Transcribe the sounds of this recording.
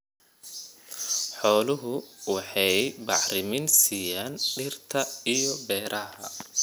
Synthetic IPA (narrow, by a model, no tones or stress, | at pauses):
ħɔːlʊɦʊwɑħɑjbɑʕɾɪmɪnsiːjaːnɖɪrt̪ʰɐijɔbɛːɾʔɐhɐ̰